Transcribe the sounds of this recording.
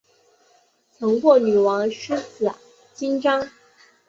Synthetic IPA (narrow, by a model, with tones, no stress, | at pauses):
t͡sʰɤ˧˥ŋkwɔ˥˩ny˨˩wɑ˧˥ŋʂ̩˥sɹ̩˨˩ | t͡ɕi˥nʈ͡ʂɑ˥ŋ